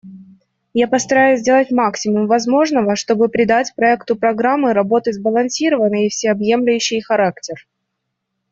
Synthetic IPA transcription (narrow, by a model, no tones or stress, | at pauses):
japəst̪ɐɾajʊzʲdʲe̞lˠətʲmaksʲɪmʊmvɐzmo̞ʐnəvəʂt̪o̞bɨpɾʲɪd̪atʲpɾɐɛkt̪ʊpɾɐɡɾamːɨɾɐbo̞t̪ɨzbəlˠɐnsʲiɾəvənːɨjɪfsʲɪɐbje̞mlʲʊjʉɕːɪjxɐɾaktʲɪr